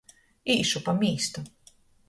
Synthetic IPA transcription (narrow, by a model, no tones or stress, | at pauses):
iːʃupamiːst̪u